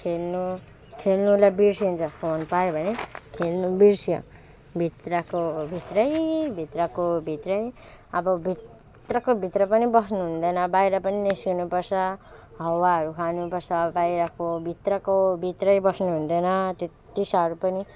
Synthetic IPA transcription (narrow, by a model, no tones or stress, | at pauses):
kʰelnu | kʰelnulabirsiunt͡sʰʌskoonpajobʱʌnekʰelnubirsjʌ̰ | bʱit̪rʌkobʱit̪rʌjbʱit̪rʌkobʱit̪rʌj | ʌbʌbʱit̪ | rʌkobʱit̪rʌpʌnibʌsnuɦund̪ʌjnʌbajɾʌpʌninesɡunupʌrsʰʌ | ɦʌwaɦʌɾukʰanupʌrsʰʌbajɾʌkobʱit̪rʌkobʱit̪rʌjbʌsnuɦund̪ʌjnʌt̪e | t̪isaʌɾupʌni